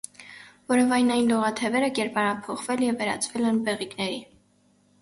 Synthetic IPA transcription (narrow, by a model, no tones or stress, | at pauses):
vɔɾɔvɑjnɑjnd̪ɔʁɑt̪ʰɛvɛɾəkɛɾpɑɾɑpʰɔχvɛljɛvːɛɾɑ̰t͡sʰvɛlɛnbɛʁiknɛɾi